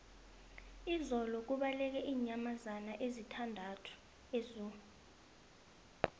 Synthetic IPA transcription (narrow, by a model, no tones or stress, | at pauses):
izɔlɔk̬uɓalɛk̬ɛʔiːɲamazanaʔezitʰandʱatʰu̥ | ezuːu